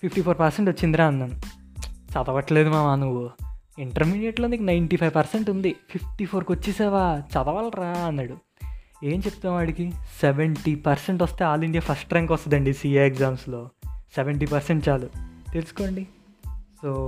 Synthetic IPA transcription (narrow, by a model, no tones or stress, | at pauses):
pʰipʈiːpʰoːɾpɐɾseɳʈʋot͡ʃːind̪iɾaːɐnːɐnut͡ʃɐd̪ɐʋɐʈle̞ːd̪umaːmanuʋːu | iɳʈɐɾmiːɖijeʈloːniknɐjɳʈipʰɐjʋpɐɾseɳʈund̪ipʰipʰʈipʰo̞ːɾkot͡ʃːisɛːʋaːt͡ʃɐd̪ɐʋɐɭɾaːɐnːɐɽu | e̞ːmt͡ʃe̞p̚t̪unːaːʋaːɽikiseʋeɳʈipɐɾseɳʈʋɐst̪e̞ːaːliɳɖijaːpʰɐsʈɾɐŋkɐst̪ɐd̪ɐɳɖisiːɐeɡzaːmslo̞ːseʋeɳʈipɐɾseɳʈt͡ʃaːlut̪e̞lusu̥ko̞ːɳɖi | soː